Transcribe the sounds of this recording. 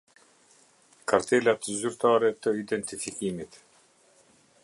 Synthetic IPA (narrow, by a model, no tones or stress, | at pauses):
kʰaɾt̪elʲat̪zyɾt̪ʰaɾɛt̪ːɔid̪ent̪ifikimit̪